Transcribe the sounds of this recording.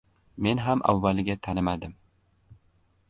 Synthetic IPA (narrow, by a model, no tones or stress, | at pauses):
me̞nɦamʔa̰vːalɪɡʲat̪ʰanɪmad̪ɪm